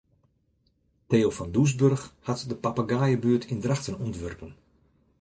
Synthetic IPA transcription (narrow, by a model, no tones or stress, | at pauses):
teːofɔndus̬børxhatdəpapaɡaːjəbyːətʰindraxtənɔntʋørpən